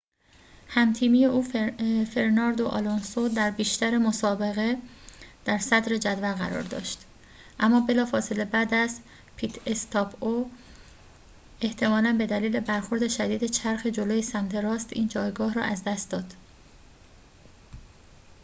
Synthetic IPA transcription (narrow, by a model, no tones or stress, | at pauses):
hæmt̪ʰiːmije̞ʔuːfe̞ɾnɒːɾd̪oʔɒ̰lonsod̪æɾbiːʃt̪æɾemo̞sɒːbe̞ɣe̞d̪̥æɾsæd̪ɾe̞d͡ʒæd̪vælɣæɾɒ̰ːɾd̪ɒ̰ːʃt̪ | ʔæmːɒːbe̞lɒːfɒːse̞le̞bæd̪æs | pʰit̪ʰest̪ʰɒpʰo | e̞ht̪ʰe̞mɒːlænbe̞d̪æliːle̞bæɾxo̞ɾd̪e̞ʃæd̪iːd̪e̞t͡ʃʰæɾxe̞d͡ʒoloːjesæmt̪ʰe̞ɾɒːst̪iːnd͡ʒɒːjɡɒːhɾɒ̰ːʔæzd̪æst̪̚d̪ɒːd̪̥